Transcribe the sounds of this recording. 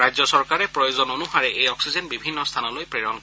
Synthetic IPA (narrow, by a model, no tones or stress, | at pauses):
ɹajzɔsɔɹkaɹɛpɹɔjozɔnonuhaɹɛʔejɔksizɛnbibʱinːɔst̪ʰanɔlojpɹeɹɔn